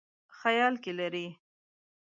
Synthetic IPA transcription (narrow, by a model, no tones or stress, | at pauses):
xajɑlkelaɾi